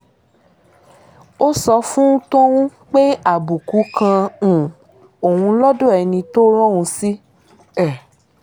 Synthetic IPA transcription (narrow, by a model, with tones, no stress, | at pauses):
o˦sɔ˧fũ˦ũ˦to˦wũ˦k͡pe˦a˦˨bu˨ku˨˦kã˧˨ | o˨hũ˧lɔ˦do˦ɛ˨˧nĩ˧to˦ɾ̃ɔ̃˦˨wũ˧si˦ | ɛ˦˨